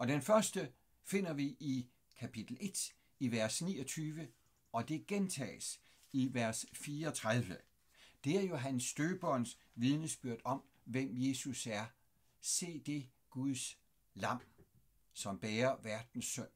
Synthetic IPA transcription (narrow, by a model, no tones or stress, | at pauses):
ɒ̽d̥enfɶɐsd̥ə | fe̝n̰ɐʋiʔi | kʰæpʰid̥l̩e̝d̥ | iʋæɐsnḭːɒ̽t͡sʰyːʋə | ɒ̽d̥e̝ɡ̥ent͡sʰɛ̰ːs | iʋæɐsfiːɐɒt͡sʰʁaðˠʋə | d̥e̝æɐjo̝ɦænsːd̥øːb̥ɒns | ʋið̞ˠnəsb̥yɐ̰d̥ɒ̽m | ʋem̰je̝ːsusæɐ | se̝̰ːd̥e̝ | ɡ̥uðˠs | lɑ̈m̰ | sɒ̽mb̥eːɐʋæɐd̥n̩sːœn̰